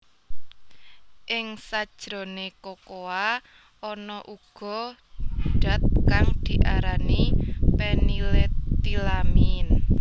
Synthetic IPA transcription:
ʔɪŋsḁʒ̥ɾo̤nekokoa | ɔnɔʔuɡ̥ɔ̤ | ɖ̥a̤t̪̚kaŋd̪̥i̤ʔaɾanipenilet̪ilamin

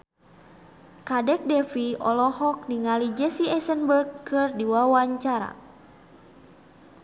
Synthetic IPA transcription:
kadɛk̚dɛfiɔ̰lɔhɔk̚niŋalid͡ʒɛsiɛsənbərɡkɨrdiwawaɲt͡ʃaɾa̰

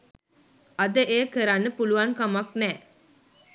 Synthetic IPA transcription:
ɐd̪əʔeːkəɾanːəpuluʋaŋkamaknɛː

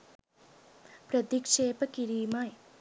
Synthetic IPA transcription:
pɾɐd̪ikʂeːpɐkiɾiːmaːj

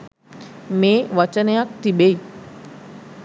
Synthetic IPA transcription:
meʋət͡ɕənjak̚t̪ibej

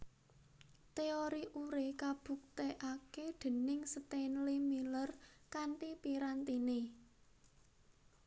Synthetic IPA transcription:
t̪eoɾiʔuɾekab̥ṳk̚t̪eʔaked̪̥ə̤nɪŋsət̪enlimilərkaɳʈipiɾant̪ine

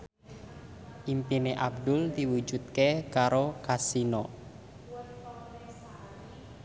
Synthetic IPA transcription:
ʔimpineʔab̚d̪ʊld̪iwud͡ʒut̪̚kekaɾokasinɔ

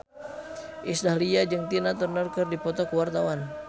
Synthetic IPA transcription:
ʔisdahliad͡ʒɨŋt̪inat̪ərnərkərdipɔt̪ɔkəwart̪awan

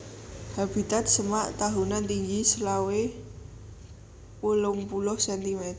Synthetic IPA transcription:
hab̥i̤t̪at̪̚səmaʔt̪aɦunant̪iŋɡisəlawe | wəlʊŋpulɔhsɛnt̪imɛt̪

